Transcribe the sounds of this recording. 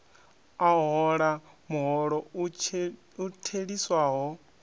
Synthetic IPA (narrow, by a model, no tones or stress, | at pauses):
aɦɔɺamuɦɔɺɔ | utʰeɺiswaːɦɔ